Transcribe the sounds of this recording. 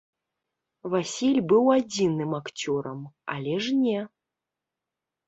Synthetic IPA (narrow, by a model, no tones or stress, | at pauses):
vasʲilʲbɨwad͡zʲinɨmakt͡sʲɔɾɐma̰lʲɛʐnʲɛ